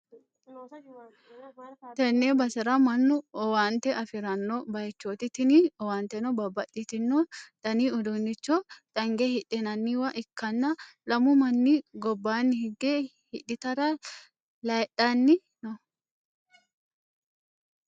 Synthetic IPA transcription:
t̪ɛnːeːbɐsɐɾɐmɐnːʊɔwaːnt̪ɛʔɐfɪɾɐnːɔbɐjɛt͡ʃːoːt̪ɪt̪ɪniɔwaːnt̪ɛnɔbɐbːɐᶑɪt̪ɪnːɔd̪̥ɐniːʊd̪unːɪt͡ʃːɔᶑ̪̥ɐŋɡehɪᶑɪnɐnːiːwɐʔɪkːɐnːɐlɐmʊmɐnːiɡɔbːaːnːɪhɪɡeːhɪᶑɪt̪ɐɾɐ | lɐjᶑɐnːɪ | nɔ

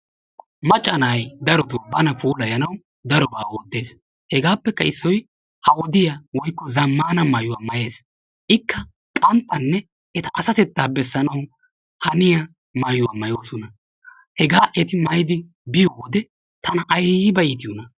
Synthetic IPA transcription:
mɐt͡ʃʼːɐnaːjd̪ɐɾɔd̪ubɐnɐpuːlɐjɐnɐw | d̪ɐɾɔbaːwɔd̪ːe̞ːs | hɛɡaːpːɛkːɐɪsːɔj | hɐwɔd̪ɪjawɔjkːɔzɐmːaːnɐmɐjʊwamɐje̞ːs | ʔɪkːɐ | kʼɐnt̪ːɐnːɛ | ʔɛt̪ɐʔɐsɐt̪ɛt̪ːaːbɛsːɐnɐw | hɐnɪjɐ | mɐjʊwamɐjoːsɔnɐ | hɛɡaːʔɛt̪ɪmɐjd̪ɪ | bɪjɔwɔd̪ɛ | t̪ɐnɐʔɐjbɐʔiːt̪ɪjɔnɐ

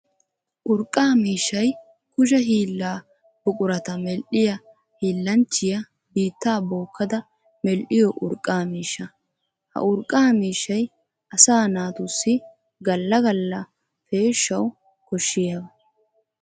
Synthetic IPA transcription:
ʔʊɾkʼːaːmiːʃːɐj | kʊʃɐɦiːlːaː | b̥ʊkʼʊɾɐt̪ɐmɛlʔɪjɐ | hiːlːɐnt͡ʃːɪjɐ | biːt̪ːaːboːkːɐd̪ɐ | mɛlʔɪjɔʔʊɾkʼːaːmiːʃːɐ | hɐ̰ʔʊɾkʼːaːmiːʃːɐj | ɐsaːnaːt̪ʊsːɪ | ɡɐlːɐɡɐlːɐ | feːʃːɐw | kɔʃːɪjɐbɐ

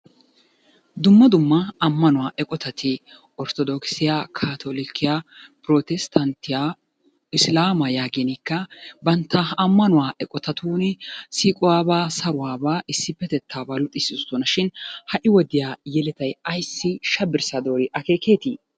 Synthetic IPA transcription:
d̪ʊmːɐd̪ʊmːɐɐmːɐnʊwaːʔɛkʼɔt̪ɐt̪ʰɪ | ʔɔɾt̪ɔd̪ɔksɪjaːkʰaːt̪ʰoːlɪkʰːɪjaːpɾoːt̪ɛst̪ʰɐnt̪ɪja | ɪslaːmɐjaːɡenɪkːɐbɐnt̪ːɐɐmːɐnʊwaːʔɛkʼɔt̪ɐt̪uːnɪsiːkʼʊwaːbaːsɐɾʊwaːbaːʔɪsːɪpːɛt̪ɛt̪ʰːaːbaːlʊt̪ʼːɪsɪt̪ɔnɐʃɪnhɐʔɪwɔd̪ɪjaːjɛlɛt̪ɐjɐjsːɪʃɐbɪɾsad̪oːɾɪʔɐke̞ːkʰeːt̪iː

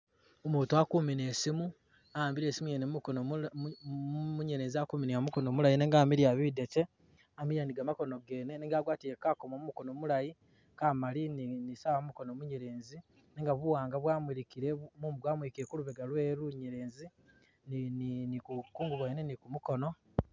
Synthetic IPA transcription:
omuːtuakumineːsimu | aaːmbiɾe̞ːsimujenemumkon | muɲeɾeːnziakuminiamuko̞nomulajineːŋɡaːmiɾijaβidet͡ʃe | amiɾijaniɡamako̞no̞ɡe̞ːneneŋɡaːɡwaːtiɾekaːkomomumukonomulaji | kaːmalinnisawamumukonomuɲeɾeːnzi | neŋɡaβuwaːŋɡaβwaːmiɾikiɾemuːmuβwaːmwikiekuluβeɡalweːɾuɲeɾeːnzi | nninikukuːŋɡuβwajnenikumuko̞no̞

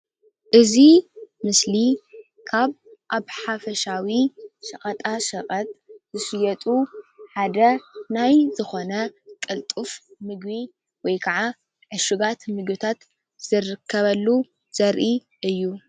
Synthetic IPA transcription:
ʔɨzimɨsli | kʰaβ | ʔaβħafɐʃawiʃɐχʼɐt̪ʼaʃɐχʼɐt̪ʼzɨsɨjɐt̪ʼuħad̪ɐnajzɨxo̞nɐkʼɐlt̪ʼufmɨɡbi | wɔjkʰɐʕa | ʕɨʃuɡat̪mɨɡbɨt̪ʰat̪ | z̥ɨrɨkʰːɐβɐlːu | z̥ɐɾʔi | ʔɨjːu

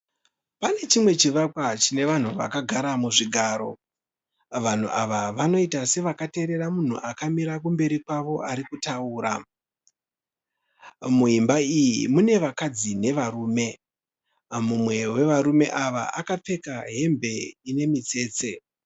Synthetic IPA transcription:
pane̞t͡ʃimwe̞t͡ʃiʋakwat͡ʃine̞ʋan̤uʋa̰kaɡʱaɾamuʐiɡʱaːɾo̞ | ʋan̤uʔaʋaʋano̞itase̞ʋakate̞ɾe̞ramun̤ṵʔakamiɾakumbe̞ɾikwaʋo̞ʔaɾikutauːɾa̰ | muɦimbaijimune̞ʋakad͡zine̞ʋaruːme̞ | mumwe̞we̞ʋaɾume̞ʔaʋa̰ʔakap͡fe̞kaɦe̞mbe̞ine̞mit͡se̞ːt͡se̞

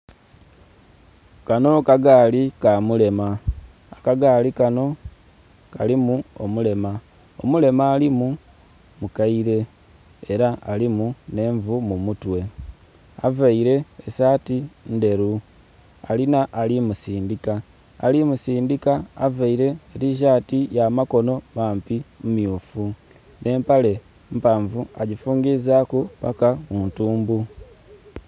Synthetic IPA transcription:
kano̞kaɡaːlikamule̞maː | kaɡaːlikano̞ | kalimuo̰mule̞ma | o̞̰mule̞maːlimu | mukaiɾe̞ | eɾaalimune̞ːɱvumumutwe̞ | avaiɾe̞ːsaːtinde̞ɾu | a̰linaʔalimusiːndikaː | limusiːndikaːvaiɾe̞ːɾiʃ̬atijamako̞no̞maːmpimumiufu | ne̞ːmpale̞ | mpaːɱvuaɟifuːŋɡizakupakauːntuːmbu

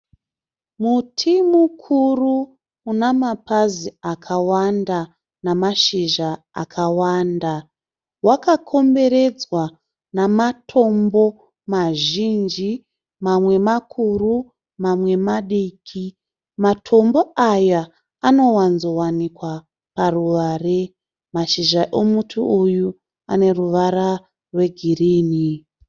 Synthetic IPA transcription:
mutʰimukʰuru | unamapaziakʰawanda | namaʃiʒa | a̰kʰawaːnda | wakakʰo̞mbe̞ɾe̞d͡zwa | namatʰo̞mbo̞ | maʒind͡ʒi | mamwe̞makʰuru | mamwe̞maɗikʰi | matʰo̞mbo̞aja | ano̞wanzo̞wanikwa | paruʋaːre̞ | maʃiʒaʔomutʰuuju | a̰ne̞ruʋaɾa | rwe̞ɡʱiriːni

